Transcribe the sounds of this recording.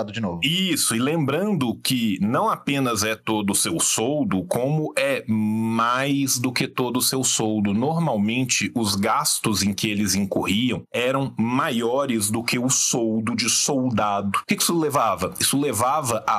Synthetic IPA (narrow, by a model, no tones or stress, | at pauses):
ad̪ʊd͡ʒɪnovʊisʊɪlẽmbɾɐ̃nd̪ʊkɪnɐ̃w̃apẽnɐzɛt̪od̪ʊsewsowd̪ʊkõmʊʔɛmajzd̪ʊkɪt̪od̪ʊsewsowd̪ʊnoɾmawmẽnt͡ʃɪʔʊzɡast̪ʊzẽj̃kɪelɪzĩŋkohiɐ̃w̃ɛɾɐ̃w̃majɔɾɪzd̪ʊkɪʊsowd̪ʊd͡ʒɪsowd̪ad̪ʊʊkɪkɪi̥sʊlevavɐisʊlevavɐʔa